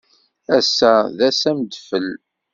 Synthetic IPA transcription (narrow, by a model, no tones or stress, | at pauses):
æsæðæsæmd̪fəl